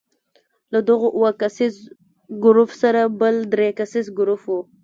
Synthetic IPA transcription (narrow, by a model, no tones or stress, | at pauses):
lad̪əɣoʔwakasiz | ɡʊɾufsaɾabəld̪ɾekasizɡʊɾufwu